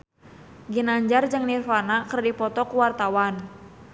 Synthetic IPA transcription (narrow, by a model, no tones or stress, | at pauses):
ɡinaɲd͡ʒard͡ʒɨŋnirfanakərdipɔt̪ɔkuwart̪awan